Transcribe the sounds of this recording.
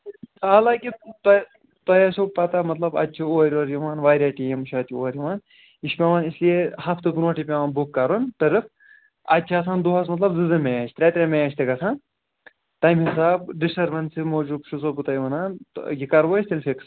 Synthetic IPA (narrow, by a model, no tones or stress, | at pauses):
aːlaːkit̪ | t̪ɐjasoːb̚pɐt̪amɐt̪lɐbɐ̰tːt͡ʃʰioːɾʲoːɾjiʋaːnʋaːɾʲaːʈijɐmuʃʰaɐt̪ʲʰːioːɾʲjiʋaːn | iʃpʲaʋaːnisliehɐft̪ɨb̪uɾaːʈʰipʲaːʋaːnbukːɐɾunt̪ɐɾɨf | ɐtːt͡ʃʰaːsaːnd̪uɦɐsmɐt̪lɐbzɨzɐmejaːt͡ʃʰt̪ɾʲaːt̪ʲɾemejaːt͡ʃʰt̪ɐɡɐsʰãːn | t̪ɐjmhisaːbɖisɐɾʋɐnsimoːd͡ʒubʃus̬oːbut̪ɐjʋɐnaːnjikɐɾʋoːsʲt̪ilʲfiks